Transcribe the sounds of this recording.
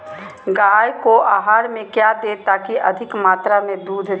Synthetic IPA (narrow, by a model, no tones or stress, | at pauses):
ɡajkoʔaːɦaːɾmẽkjad̪eːt̪aːkiʔɐ̰d̪ʱɪkmaːt̪ɾamẽd̪uːd̪ʱ